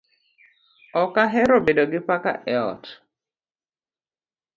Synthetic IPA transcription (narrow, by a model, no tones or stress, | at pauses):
ɔkaɦɛɾobedoɡɪpaka̰ʔɛɔ̰t